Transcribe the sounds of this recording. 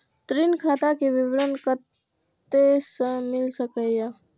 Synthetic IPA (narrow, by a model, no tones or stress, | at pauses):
t̪ɾinkʰat̪akebibɾənkət̪ | esə̃milsəkəa